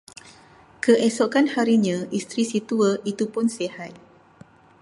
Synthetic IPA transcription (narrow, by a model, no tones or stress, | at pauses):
kəʔesoʔkanhaɾiɲãʔist̪ɾisit̪uəit̪upʊnsehat̪̚